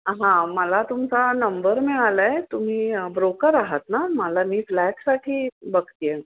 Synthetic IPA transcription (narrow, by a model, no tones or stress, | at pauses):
ɦãməlat̪umt͡sanəmbəɾmɛɭalaet̪um̤iːbɾokəɾaɦət̪naməlamiːflæʈsaʈʰiːbəɡt̪je